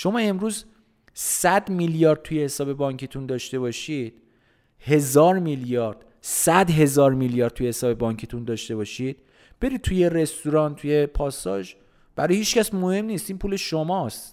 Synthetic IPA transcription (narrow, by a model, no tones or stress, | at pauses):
ʃo̞mɒːe̞mɾuːz | sæd̪miljɒːɾd̪̚t̪ʰujehe̞sɒːbe̞bɒŋkʰit̪ʰund̪ɒːʃt̪e̞βɒʃid̪̥ | he̞zɒːɾmiljɒːɾd̪̥ | sæd̪ɦe̞zɒːɾmiljɒːɾd̪t̪ʰujehesɒːbe̞bɒːŋkʰit̪ʰund̪ɒːʃt̪e̞bɒːʃid̪̥̚ | b̥e̞ɾidt̪̚t̪ʰujeɾe̞st̪uɾɒnt̪ʰuje̞pʰɒːst̪ɒ̰ːʃ | b̥æɾɒːjhiːt͡ʃcæsmohe̞mniːst̪iːnpʰuːle̞ʃomɒːst̪